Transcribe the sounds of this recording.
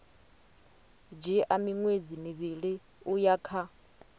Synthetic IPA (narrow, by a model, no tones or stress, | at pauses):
d͡ʒiʔamiŋwed͡zimiβiɺi | ujakʰa